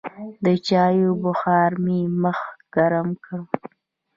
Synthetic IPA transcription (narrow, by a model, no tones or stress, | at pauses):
d̪ət͡ʃɑjobʊxɑɾmeməxɡ̥aɾamkəɽ